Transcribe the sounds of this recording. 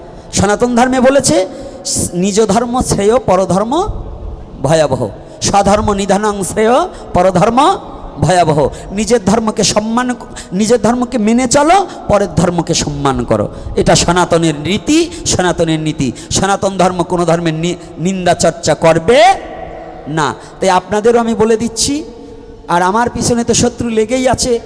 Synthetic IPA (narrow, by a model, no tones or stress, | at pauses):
ʃɔnat̪ond̪ʱɔɾmebolet͡ɕʰe | nid͡ʑod̪ʱɔɾmosʰejopɔɾod̪ʱɔɾmo | bʱɔjaboɦo̰ | ʃad̪ʱɔɾmonid̪ʱanɔŋseo | pɔɾod̪ʱɔɾmo | bʱɔjaboɦonid͡ʑeɾd̪ʱɔɾmokeʃɔmːan | nid͡ʑeɾd̪ʱɔɾmokemenet͡ɕalo | pɔɾeɾd̪ʱɔɾmokeʃɔmːankɔ̰ɾo̰eʈaʃɔnat̪oneɾnit̪iʃɔnat̪oneɾnit̪iʃɔnat̪ond̪ʱɔɾmokonod̪ʱɔɾmeɾni | nind̪at͡ɕɔɾt͡ɕakoɾbe | na̰ | t̪ajapnad̪eɾoamiboled̪itːɕʰi | aɾamaɾpit͡ɕʰonet̪oʃot̪ːɾuleɡejat͡ɕʰe